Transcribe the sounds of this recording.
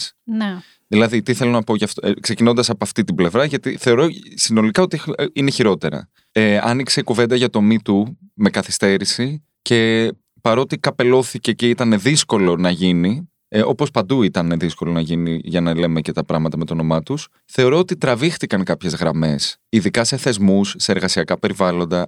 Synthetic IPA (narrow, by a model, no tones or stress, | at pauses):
sne | ðilɐðit̪iθe̞lo̞nɐpo̞ʝɐft̪kse̞cino̞nd̪ɐsɐpoɐft̪it̪ible̞vɾɐʝɐt̪iθe̞o̞ɾo̞sino̞likɐo̞t̪iine̞çiɾo̞t̪e̞ɾɐ̰ | eɐ̰niksekuve̞nd̪ɐʝɐt̪o̞mit̪u | me̞kɐθi̥st̪e̞ɾisi | ce̞ | pɐɾo̞t̪ikɐpe̞lo̞θice̞ceit̪ɐneðisko̞lo̞nɐʝini | o̞po̞spɐnd̪uit̪ɐnðisko̞lo̞nɐʝiniʝɐnɐle̞mece̞t̪ɐpɾɐɣmɐt̪ɐme̞t̪o̞no̞mɐt̪us | θe̞o̞ɾo̞ot̪it̪ɾɐvixt̪ikɐŋkɐpçe̞zɣɾɐme̞siðikɐse̞θe̞zmusːe̞ːɾɣɐsiɐkɐpe̞ɾivɐlo̞nd̪ɐ